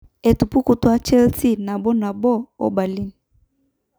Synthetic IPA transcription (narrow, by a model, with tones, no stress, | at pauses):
e˨tu˨pu˦ku˨twa˦t͡ʃɛ˦lti˦na˨bɔ˦na˨bɔ˦˨o̰˦ba˨li˦ni˨